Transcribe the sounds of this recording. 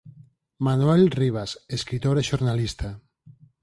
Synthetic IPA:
manwelriβ̞aseskɾit̪oɾeʃoɾnalist̪ʰa

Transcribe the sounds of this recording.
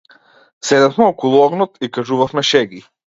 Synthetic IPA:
sɛd̪afmɛɔkulˠuɔɡnɔt̪ikaʒuvafmɛʃɛɡi

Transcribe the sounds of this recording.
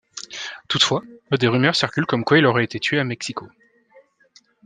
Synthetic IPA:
t̪ut̪fwaəd̪eʁymœʁsiʁkʲylkɔmkwailɔʁɛet̪et̪ɥeamɛksiko

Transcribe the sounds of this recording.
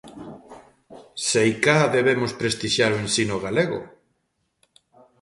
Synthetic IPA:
sejkaðeβemʊspɾest̪iʃjaɾoensinoɣaleɣʊ̰

